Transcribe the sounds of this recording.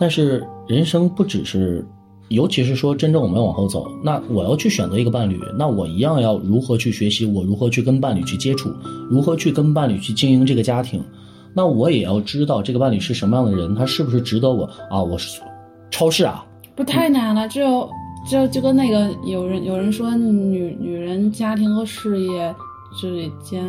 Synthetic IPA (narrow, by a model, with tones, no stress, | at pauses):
t̪a˥˧nʂɻ̩˥˩ɻə˧˥nʂɤ˥ŋpu˥˩ʈ͡ʂɻ̩˨˩ʂɻ̩˥˩ | jo˧˥ʊt͡ɕʰi˧˥ʂ̬ɻ̩˥˩ʂwɔ˥ʈ͡ʂə˥nʈ͡ʂə˥˩ŋwɔ˨˩m˦jwɑ˨˩xo˥˩ʊt͡so̰˨˩˦ʊna˥˩wɔ˨˩jɑ˥˧ʊt͡ɕʰy˥˩ɕɥɛ˨˩nt͡sɤ˧˥i˧˥ɡə˧pa˥˩nly̰˨˩˦na˥˩wɔ˨˩i˧˥jɑ˥˧ŋjɑ˥˩ʊɻu˧˥xɤ˧˥t͡ɕʰy˥˩ɕɥɛ˧˥ɕi˧˥wɔ˨˩ɻu˧˥xɤ˧˥t͡ɕʰy˥˩k̬ə˥npa˥˩nly̰˨˩t͡ɕʰy˥˩t͡ɕjɛ˥ʈ͡ʂʰṵ˥˩ɻu˧˥xɤ˧˥t͡ɕʰy˥˩kə˥np̬a˥˩nly̰˨˩t͡ɕʰy˥˩t͡ɕi˥ŋi˧˥ŋʈ͡ʂɤ˥˩ɡə˩t͡ɕja˥t̪ʰḭ˧˥ŋ | na˥˩wɔ˧˥jɛ˨˩jɑ˥˩ʊʈ͡ʂɻ̩˥t̪ɑ˥˧ʊʈ͡ʂɤ˥˩ɡə˩pa˥˩nly˨˩ʂɻ̩˥˩ʂə˧˥nmə˧jɑ˥˩ŋd̪ə˩ɻə˧˥nt̪ʰa˥ʂɻ̩˥˩bu˩ʂ̬ɻ̩˥˩ʈ͡ʂɻ̩˧˥t̪ɤ˧˥wɔ˨˩˦ɐ˧wɔ˨˩ʂ | ʈ͡ʂʰɑ˥ʊʂɻ̩˥˩ɐ̰˩ | pu˧˥t̪ʰa˥˩ɪna˧˥nə˧ʈ͡ʂɻ̩˧˥jo˧˩ʊʈ͡ʂɻ̩˧˥jo˧t͡ɕjo˥˩ʊkə˥nne˥˩ɡə˩jo˨˩ʊɻə˧˥njo˨˩ʊɻə˧˥nʂwɔ˥n˥˧˩ny˨˩ny˨˩ɻə˧˥nt͡ɕja˥t̪ʰi˧˥ŋxə˧˥ʂɻ̩˥˧jɛ˥˩ | ʈ͡ʂɻ̩˥˩li˨˩t͡ɕjɛ˥n